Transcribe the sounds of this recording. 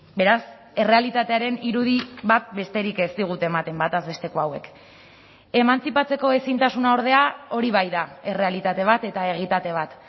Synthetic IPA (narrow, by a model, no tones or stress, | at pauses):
be̞ɾas | e̞re̞alit̪at̪e̞aɾe̞niɾuðiβat̪̚be̞st̪e̞ɾike̞st̪iɣ̞ut̪e̞ːmat̪e̞mbat̪azβe̞st̪e̞koawe̞k | e̞mant͡sipat͡se̞ko̞e̞sint̪asunao̞ɾð̞e̞ao̞ɾiβ̞ajðae̞re̞alit̪at̪e̞β̞at̪e̞t̪ae̞ɣ̞it̪at̪e̞β̞at̪